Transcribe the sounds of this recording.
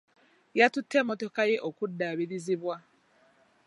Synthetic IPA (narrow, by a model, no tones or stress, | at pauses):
jatutʰːemoto̞kajeʔokudːaβiɾiziβwa